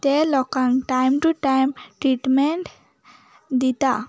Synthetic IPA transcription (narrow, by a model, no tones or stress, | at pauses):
t̪elɔkãnʈajmʈuʈajmʈɾiʈmɛɳʈ | d̪it̪a̰